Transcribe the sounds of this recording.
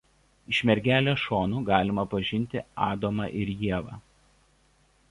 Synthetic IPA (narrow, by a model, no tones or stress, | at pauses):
ɪʃʲmʲɛɾʲɡʲæːlʲoːʃoːnuːɡɑːlʲɪmɐpɐʒʲɪnʲˑt̪ʲɪɑːd̪oːmɑ̰ʔɪɾjiɛʋɑ̰ː